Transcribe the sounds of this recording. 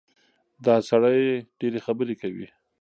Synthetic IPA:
d̪ɑsaɽajɖ̥eɾexabəɾekawḭ

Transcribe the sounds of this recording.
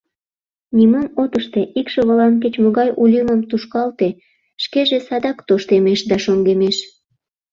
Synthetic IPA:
nʲimomot̪əʃt̪eʔikʃoβəlɑnk̬et͡ɕmoɣɑjʔulʲiməmt̪uʃkɑlt̪e | ʃkeʒesɑd̪ɑkt̪oʃt̪emeʃd̪ɑʃoŋɡemeʃ

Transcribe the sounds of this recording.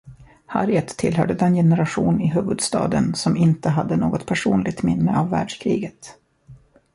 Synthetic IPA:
ha̰ɾjət̪ʰːɪlɦœ̰ːɖəd̪ɛnjɛnəɾaɧuːnɪɦʉːvɵd̪st̪ɑ̰ːd̪ənsɔmɪnt̪əɦad̪ːənoːɡɔt̪̚pʰæʂuːnlɪɡt̪mɪnːəavːæːɖʂkʰɾiːɡət̪

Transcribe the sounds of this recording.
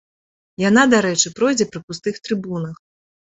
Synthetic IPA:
janad̪aɾɛt͡ʂɨpɾɔjd͡zʲɛpɾɨpust̪ɨxt̪ɾɨbunɐx

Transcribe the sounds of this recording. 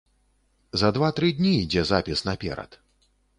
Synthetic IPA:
zɐd̪vat̪ɾɨd̪ʲnʲiːd͡zʲɛzapʲisnɐpʲɛ̰ɾɐ̰t̪

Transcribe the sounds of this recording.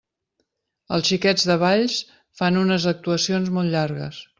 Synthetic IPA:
əlˠsʃikɛd͡zðəβ̞aʎs | fanunəzək̚t̪uəsionzmɔlˠt̪ʎaɾɣə̰s

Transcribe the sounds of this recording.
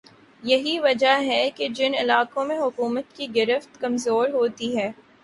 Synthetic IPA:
jɐɦiʋɐd͡ʒaɦɛked͡ʒɪnɪlaːkõmẽɦʊkuːmət̪kiɡɪɾəft̪kɐmzoːɾɦoːt̪iɦɛː

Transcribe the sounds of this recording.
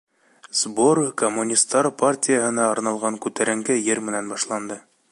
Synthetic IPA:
zboɾkomːunʲist̪ːɑɾpartʲijəɦɤ̆nɑːɾnɑlˠʁɑŋkʉt̪æɾɘ̆ŋɡɘjɘɾmɘ̆nænbɑʃlˠɑnd̪ɤ

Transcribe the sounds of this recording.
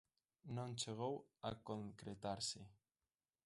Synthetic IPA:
nõnt͡ʃeɣ̞owa̰koŋkɾet̪aɾsɪ

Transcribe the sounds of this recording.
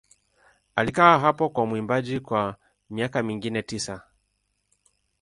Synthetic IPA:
alikaaɦapɔkwamwimbaʄikwa | miakamiŋɡinɛtisa

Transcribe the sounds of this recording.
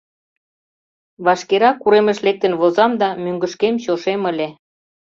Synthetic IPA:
βɑʃkeɾɑkːuɾemə̆ʃlek̚t̪ə̆nβozɑmd̪ɑmyŋɡəʃkemɕoʃemə̆lʲe

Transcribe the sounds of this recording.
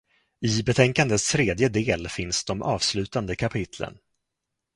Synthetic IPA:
ɪbɛt̪ʰɛŋkand̪ət̪st̪ʰɾeːd̪jəd̪eːlfɪnsd̪ɔmʔɑ̰ːvslʉ̟ːt̪and̪əkʰapʰɪt̪ʰlə̰n

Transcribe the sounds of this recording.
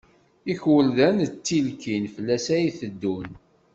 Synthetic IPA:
içwəlðænət͡sːilkinfəlːæsæjiθəd̪ːun

